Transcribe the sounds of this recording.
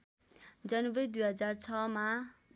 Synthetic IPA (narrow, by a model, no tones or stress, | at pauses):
d͡zʌnubʌid̪ujɦʌd͡zart͡sʰʌma